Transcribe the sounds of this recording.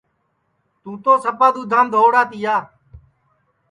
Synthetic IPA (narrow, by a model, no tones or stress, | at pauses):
t̪uːt̪oːsəpaːd̪uːd̪ʱãːmd̪ʱoːɽaːt̪ɪjaː